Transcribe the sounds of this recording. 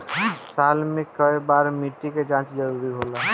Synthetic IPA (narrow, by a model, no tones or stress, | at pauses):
saːlmẽkəebaːɾmiʈːiked͡ʒãːt͡ʃd͡ʒɐɾuːɾiɦoːlaː